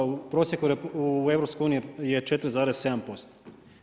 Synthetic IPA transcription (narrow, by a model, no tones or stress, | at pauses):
upɾo̞ːsjekuɾeueʋɾopskoeuːnijijet͡ʃe̞t̪ɾzaːɾesse̞d̪ampost̪o̥